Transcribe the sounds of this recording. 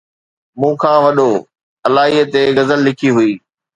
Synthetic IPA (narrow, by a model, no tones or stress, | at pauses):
mũːkʰãːʋɐɗo | ɐlaːɦiːət̪eɣɐzəlːɪkʰiɦʊiː